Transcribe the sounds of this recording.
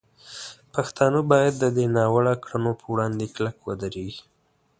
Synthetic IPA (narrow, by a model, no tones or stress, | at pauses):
paxt̪ɑnəbɑjad̪ːəd̪enɑwəɽakɽanopʰəwɽɑnd̪eklakwəd̪aɾeɡi